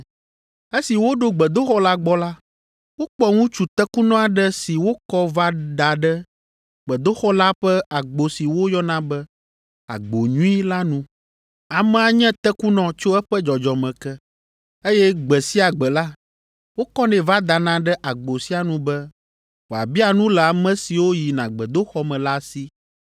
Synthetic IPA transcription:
e˦si˨wo˦ɖo˦ɡ͡bɛ˨d̪o˦xɔ˦la˦ɡ͡bɔ˦la˦ | wo˦k͡pɔ˦ŋũ˦t͡ʃu˨t̪ɛ˦ku˦nɔ̃˦a˨ɖɛ˦si˨wo˦kɔ˦va˦d̪a˨ɖɛ˦ | ɡ͡bɛ˨d̪o˦xɔ˦la˦ɸɛ˦a˨ɡ͡bo˨si˨wo˦jɔ˦nã˦bɛ˦ | a̰˨ɡ͡bo˨ɲũ˦i˦la˦nũ˦ | a˨mɛ̃˨a˨ɲɛ̃˦t̪ɛ˦ku˦nɔ̃˨t͡ʃo˦ɛ˦ɸɛ˦d͡ʒɔ˨d͡ʒɔ˨mɛ̃˨kɛ˦ | e˦jɛ˦ɡ͡bɛ˨si˦a˨ɡ͡bɛ˨la˦ | wo˦kɔ˦nɛ̃˨va˦d̪a˨nã˨˦ɖɛ˦ʔa˨ɡ͡bo˨si˦a˨nũ˦bɛ˦ | wo˨a̰˨bi˦a˨nũ˦lɛ˨a˨mɛ̃˦si˨wo˦ji˨nã˨ɡ͡bɛ˨d̪o˦xɔ˦mɛ̃˨la˦si˦

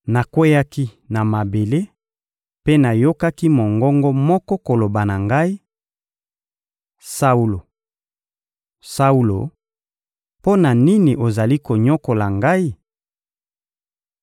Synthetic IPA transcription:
na˨kwe˦ja˦ki˦ | na˨ma˨be˨le˦ | pe˦na˨jo˦ka˦ki˦mo˨ŋɡɔ˦ŋɡɔ˦mɔ˦kɔ˦ko˨lo˨ba˨na˨ŋɡa˦i˦ | sa˦u˦lo˨ | sa˦u˦lo̰˨ | po˦na˨ni˦ni˨ʔo˨za˨li˦ko˨ɲɔ˦ko˨la˨ŋɡa˦i˦

